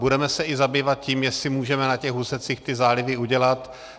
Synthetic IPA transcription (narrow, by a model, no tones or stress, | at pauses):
budɛmɛsɛɪzabiːvat̪̚ciːmjɛsɪmuːʒɛmɛnacɛɣɦusɛt͡sixt̪ɪzaːlɪvɪuɟɛlat̪